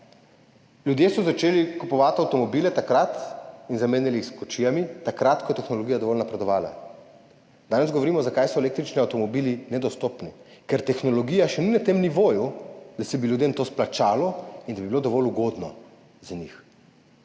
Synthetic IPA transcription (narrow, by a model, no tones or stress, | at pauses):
lʲjud̪jesɔzat͡ʃeːlikupɔʋat̪awt̪ɔmɔbilɛt̪akɾat̪inzameːnjalixskɔt͡ʃijamit̪akɾat̪kɔjɛt̪ɛxnɔlɔɡijad̪ɔʋɔlnapɾɛd̪ɔʋaːla̰ | d̪aːnɛzɡɔʋɔɾimɔzakajsɔɛleːk̚t̪ɾit͡ʃniawt̪ɔmɔbiːlinɛd̪ɔst̪ɔpnɛkɛɾt̪ɛxnɔlɔɡijaʃɛninat̪emniʋoːjud̪asɛbiljud̪emt̪oːsplat͡ʃaːlɔind̪abibilod̪ɔʋɔluɡod̪nɔ̰ | zanix